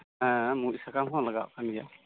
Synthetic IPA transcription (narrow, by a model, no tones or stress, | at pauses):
muʔsakamɦɔ̃laɡa̰ʔkʰanɡa̰